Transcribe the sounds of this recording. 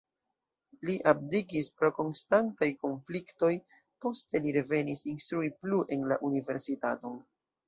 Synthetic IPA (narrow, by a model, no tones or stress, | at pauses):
liʔab̚dikispɾo̞ko̞nstantajko̞nflikto̞j | po̞ste̞liɾe̞ve̞nisinst̪ɾuipluʔe̞nlaʔunive̞ɾsitato̞n